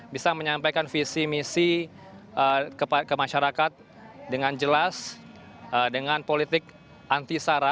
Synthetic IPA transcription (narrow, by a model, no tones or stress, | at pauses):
bisaməɲampajkanfisimisi | əkəpakəmaʃaɾakat̪̚ | dəŋand͡ʒəlas | ədəŋanpolit̪ɪk̚ | ʔant̪isaɾa